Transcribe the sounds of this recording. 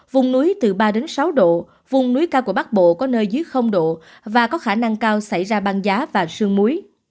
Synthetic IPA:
vʊ˧wŋ͡mnu˨˦əjt̪ɨ˨˩ɓaː˧ɗe˨˦nsa˨˦wɗo̰˧˨ | vʊ˨˧ŋ͡mnu˨˦jkaː˧wku˧˩əɓa˦˥k̚ɓo̰˧˨kɔ˨˦nəː˧jzɨ˨˦əjxə˧wŋ͡mɗo̰˧˨ | vaː˨˩kɔ˨˦xaː˧˩na˧ŋkaː˧wsa˧˩jzaː˧ɓaː˧nzaː˨˦vaː˨˩sɨ˧əŋmu˨˦əj

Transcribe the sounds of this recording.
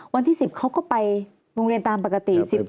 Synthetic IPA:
wa˧nt̪ʰiː˥˩si˨˩p̚kʰa˦˥wkɔː˥˩pa˧j | ɾoː˧ŋɾi˧ənt̪aː˧mpa˨˩ka˧t̪i˨˩si˨˩p̚

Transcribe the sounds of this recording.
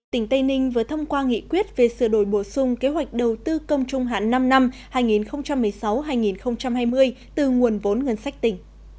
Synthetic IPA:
t̪ï˧˩ŋ̟t̪ə˧jnï˧ŋ̟vɨ˨˩t̪ʰə˧wŋ͡mkwaː˧ŋḭ˧˨kwi˦˥ət̚ve˨˩sɨ̰˧˩ɗo˧˩jɓo˧˩sʊ˧ŋ͡mke˨˦ɦwa˨˩jk̟̚ɗə˨˩wt̪ɨ˧kə˧wŋ͡mt͡ɕʊ˨˧˩ŋ͡mɦa̰ː˧˨nːa˧mna˧mhaː˧jŋi˨˩nxə˧wŋ͡mt͡ɕa˧mːɨ˨˩əjsa˨˦wɦaː˧jŋi˨˩nxə˧wŋ͡mt͡ɕa˧mhaː˧jmɨ˧əj | t̪ɨ˨˩ŋu˨˩ənvo˨˦nŋə˧˩nsa˦˥jk̟̚t̪ï˧˩ŋ̟

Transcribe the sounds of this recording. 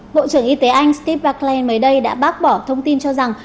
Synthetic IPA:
ɓo̰˧˨t͡ɕɨ˧˩əŋʔi˧t̪e˨˦ʔa˧jŋ̟st̪i˦˥p̚vaː˧klɛ˧nməː˨˦jɗə˧jɗa̰ː˧˥ɓaː˦˥t̚ɓɔ˧˩t̪ʰə˧wŋ͡mt̪i˧nt͡ɕɔ˧za˨˩ŋ

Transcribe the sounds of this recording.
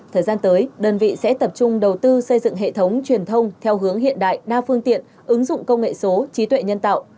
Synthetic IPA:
t̪ʰəː˨˩jzaː˧nt̪əː˨˦jɗəː˧˩nvḭ˧˨sɛ̰˧˥t̪ə˨˩p̚t͡ɕʊ˧ŋ͡mɗə˨˩wt̪ɨ˧sə˧jzɨ̰˧˨ŋɦḛ˧˨t̪ʰə˨˦wŋ͡mt͡ɕwi˨˩ənt̪ʰə˧wŋ͡mt̪ʰɛ˧wɦɨ˨˦əŋɦḭ˧˨ənɗa̰ː˧˨jɗaː˧fɨ˧əŋt̪ḭ˧˨ən | ʔɨ˨˦ŋzʊ̰˧˨ŋ͡mkə˧wŋ͡mŋḛ˧˨so˨˦t͡ɕi˨˦t̪wḛ˧˨ɲə˧nt̪a̰ː˧˨w

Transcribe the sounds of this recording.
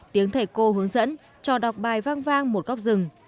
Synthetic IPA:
t̪i˨˦əŋt̪ʰə˨˧˩jko˧ɦɨ˨˦əŋzə̰˧˥n | t͡ɕɔ˧˩ɗa˨˩wk͡p̚ɓaː˨˩jvaː˧ŋvaː˧ŋmo˨˩t̚ɣk͡p̚zɨ˨˩ŋ

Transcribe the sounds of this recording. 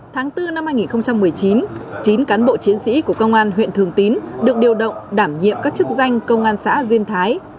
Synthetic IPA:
t̪ʰaː˨˦ŋt̪ɨ˧na˧mhaː˧jŋi˨˩nxə˧ŋ͡mt͡ɕa˧mːɨ˨˩əjt͡ɕi˨˦nt͡ɕi˨˦nkaː˨˦nɓo̰˧˨t͡ɕi˨˦ənsḭ˧˥ku˧˩əkə˧wŋ͡mʔaː˧nɦwḭ˧˨nt̪ʰɨ˨˩əŋt̪i˨˦nɗɨ˨˩ək̚ɗi˨˩əwɗə̰˧˨wŋ͡mɗaː˧˩mɲḭ˧˨əmkaː˦˥k̚t͡ɕɨ˦˥k̚za˧jŋ̟kə˧wŋ͡mʔaː˧nsa̰ː˧˥zwi˧ənt̪ʰaː˨˦j

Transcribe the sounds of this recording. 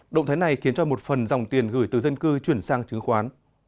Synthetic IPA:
ɗə̰˧˨wŋ͡mt̪ʰːjna˨˩jxi˨˦ənt͡ɕɔ˧mo˨˩t̚fə˨˩nza˨˩wŋ͡mt̪i˨˩ənɣɨ˧˩jt̪ɨ˨˩zə˧nkɨ˧t͡ɕwi˧˩ənsaː˧ŋt͡ɕɨ˨˦ŋxwaː˨˦n

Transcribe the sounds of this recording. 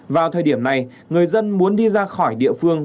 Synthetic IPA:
vaː˨˩wt̪ʰəː˨˩jɗi˧˩əmna˨˩j | ŋɨ˨˩əjzə˧nmu˨˦ənɗi˧zaː˧xɔ˧˩jɗḭ˧˨əfɨ˧əŋ

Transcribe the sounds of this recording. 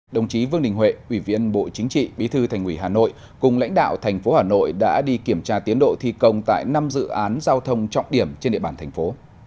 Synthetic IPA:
ɗə˨˩wŋ͡mt͡ɕi˨˦vɨ˧əŋɗï˨˩ŋ̟ɦwḛ˧˨ʔwi˧˩vḭ˧ənɓo̰˧˨t͡ɕï˨˦ŋ̟t͡ɕḭ˧˨ɓi˨˦t̪ʰɨ˧t̪ʰa˨˩jŋ̟wi˧˩ɦaː˨˩no̰˧˨j | kʊ˨˩ŋ͡mla̰˧˥ŋ̟ɗa̰ː˧˨wt̪ʰɛ˨˩jŋ̟fo˨˦haː˨˩no̰˧˨jɗa̰ː˧˥ɗi˧ki˧˩əmt͡ɕaː˧t̪i˨˦ənɗo̰˧˨t̪ʰi˧kə˧wŋ͡mt̪a̰ː˧˨jna˧mzɨ̰˧˨ʔaː˨˦nzaː˧wt̪ʰə˧wŋ͡mt͡ɕɔ̰˧˨wŋ͡mɗi˧˩əmt͡ɕe˧nɗḛ˧˨ɓaː˧˩t̪ʰŋ̟fo˨˦

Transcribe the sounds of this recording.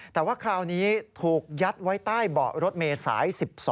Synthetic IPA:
t̪ɛː˨˩waː˥˩kʰɾaː˧wniː˦˥t̪ʰuː˨˩k̚ja˦˥t̪̚wa˦˥jt̪aː˥˩jbɔ̰ː˨˩k̚ɾo˦˥t̪̚meː˧sa̰ː˩˦jsi˨˩p̚sɔː˨˩˦

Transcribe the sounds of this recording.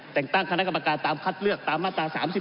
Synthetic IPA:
t̪ɛ˨˩ŋt̪a˥˩ŋkʰa˧na˦˥˩ka˧mːa˧kaː˧nt̪aː˧mkʰa˦˥t̪̚lɯ˥˩ək̚t̪aː˧mːaː˥˩t̪ɾaː˧saː˩˦msi˨˩

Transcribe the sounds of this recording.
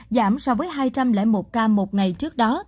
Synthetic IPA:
zaː˧˩msɔ˧wvəː˨˦jɦaː˧jt͡ɕa˧mlɛ̰˧˥˩mo˨˩t̚kaː˧mo˨˩t̚ŋa˨˩jt͡ɕɨ˦˥ək̚ɗɔ˨˦

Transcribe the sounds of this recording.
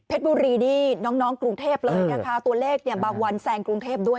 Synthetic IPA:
pʰe˦˥t̪̚buː˧ɾiː˧niː˦˥˩nɔː˦˥ŋnɔː˦˥ŋkɾu˧ŋt̪ʰeː˥˩p̚lɤː˧jna˦˧kʰa˦˥t̪u˧ɐleː˥˩k̚ni˧˥˩baː˧ŋwa˧nsɛː˧ŋkɾu˧ŋt̪ʰeː˥˩p̚du˥˩ə

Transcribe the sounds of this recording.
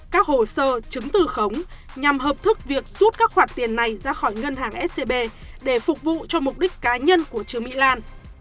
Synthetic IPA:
kaː˦˥k̚ho˧˩səː˧t͡ɕɨ˨˦ŋt̪ɨ˧˨˩xə˨˦wŋ͡m | ɲa˨˩mɦəː˨˩p̚t̪ʰɨ˦˥k̚vi˨˩ək̚zu˦˥t̚kaː˦˥k̚xwaː˧˩nt̪i˨˩ənːa˨˩jzaː˧xɔ˧˩jŋə˧nɦaː˨˩ŋʔɛ˦˥t̚se˧ɓe˧ | ɗe˧˩fʊ˨˩k͡p̚vṵ˧˨t͡ɕɔ˧mʊ˨˩k͡p̚ɗi˦˥k̚kːaː˨˦ɲə˧nku˧˩ət͡ɕɨ˨˦əŋmḭ˧˨laː˧n

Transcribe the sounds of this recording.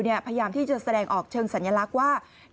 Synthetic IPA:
ni˥˩ɐpʰa˧jjaː˧mt̪ʰiː˥˩t͡ɕa˨˩sa˧dɛː˧ŋʔɔː˨˩k̚t͡ɕʰɤː˧ŋsa˩˦njaː˧la˦˥k̚waː˥˩

